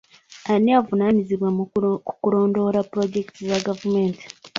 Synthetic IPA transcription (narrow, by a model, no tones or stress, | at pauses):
aniavunaɲiziβwamuukuɾo̞ːndo̞ɾapɾo̞ɟe̞ktizaɡavumeːntʰi̥